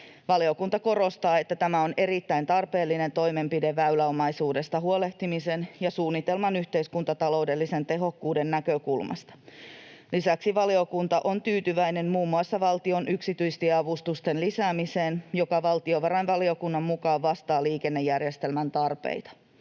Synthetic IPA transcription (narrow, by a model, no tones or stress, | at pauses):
ʋɑlio̞kunt̪ɑko̞ɾo̞st̪ɑːe̞t̪ːæt̪æmæo̞ne̞ɾit̪ːæint̪ɑrpe̞ːlːine̞nt̪o̞jme̞mpide̞ʋːæylæomɑjsuːde̞st̪ɑɦuo̞le̞ht̪imise̞njɑsuːnːit̪e̞lmɑnyht̪e̞iskunt̪ɑt̪ɑlo̞wde̞lːise̞nt̪e̞ɦo̞kːuːde̞nːækøkulmɑ̰st̪ɑ̥ | lisæksiʋɑlio̞kunt̪ɑʔo̞nt̪yːt̪yʋæjne̞mmuːmːuɑsːɑʋɑlt̪io̞nʔyksit̪yist̪iɑʋust̪ust̪enlisæːmise̞ːnjo̞kɑʋɑlt̪io̞ʋɑɾɑjnʋɑlio̞kunːɑmmukɑːʋʋɑst̪ɑːliːkenːe̞jærjest̪e̞lmænt̪ɑrpḛit̪ɑ̥